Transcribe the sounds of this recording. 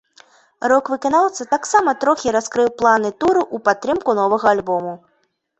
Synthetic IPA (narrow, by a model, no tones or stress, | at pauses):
ɾɔkvɨkanawt̪sɐt̪aksamɐt̪ɾɔxʲiɾaskɾɨwplˠanɨt̪uɾuʔupat̪ːɾɨmkunɔvɐɣɐalʲbɔmu